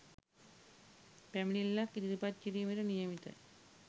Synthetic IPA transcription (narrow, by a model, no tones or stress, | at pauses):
pæminilːakːid̪iɾipat̪̚t͡ʃiɾiːmeɾənijəmit̪ə̰